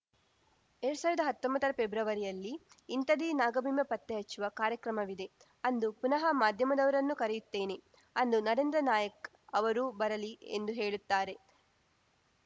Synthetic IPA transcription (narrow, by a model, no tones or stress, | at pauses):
eɾɽusaːʋɾɐd̪ɐɦɐt̪ːombɐt̪ːɐɾɐpebɾɐʋɐɾijɐlːiː | nt̪ɐd̪inaːɡɐbiːmjɐpɐt̪ːeɦɐt͡ʃːuʋɐkaːɾjɐkɾɐmɐʋid̪e̞ | ɐnd̪upunɐɦɐmaːd̪ʱjɐmɐd̪ɐʋɐɾɐnːukɐɾɛjut̪ːeːne | ɐnd̪unɐɾend̪ɾɐnaːjɐk | ɐʋɐɾubɐɾɐliḛnd̪uɦeːɭut̪ːaːɾe̞